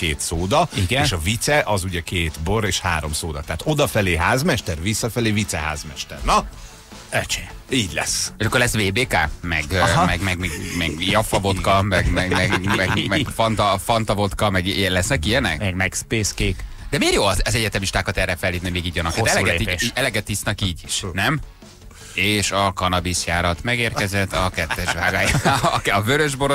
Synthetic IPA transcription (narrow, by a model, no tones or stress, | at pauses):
keːt̪soːd̪ɒiɡɛenʃɒvit̪sɛʔɒzuɟɛkeːt̪boɾeːʃha̰ːɾo̞msoːd̪ɒt̪aɦat̪od̪ɒfɛleːɦaːzmɛʃt̪ɛrvisːɒfɛleːvit̪sɛɦa̰ːzmɛʃt̪ɛ̰rnɒ | ɛt͡ʃeiːɟlɛ̰seʃɒkːorlɛsʋeːbeːka̰ːmɛ̰ɡmɛɡmɛɡmɛɡmɛɡjɒfɒvo̞t̪kɒmɛɡmɛɡmɛɡmɛmɛfɒnt̪ɒfɒnt̪ɒvo̞t̪kɒmɛɡɛlɛsnɛkijɛnɛ̰kmɛɡmɛkspeːskeːk | d̪ɛmeːrjoːɒzzɛɟɛt̪ɛmiʃt̪aːkɒt̪ɛrɛfɛlhiːvnimeːɡiːɟvɒnɒkkːat̪ɛlɛɡɛiiɛlɛɡɛt̪ːisnɒkiːɟiʃnɛm | eːʃɒkɒnɒbiʃjaːɾɒt̪mɛɡeːrkɛzɛt̪ːɒkɛt̪ːɛʃvaːɡaːjkɒvøɾøʒboɾo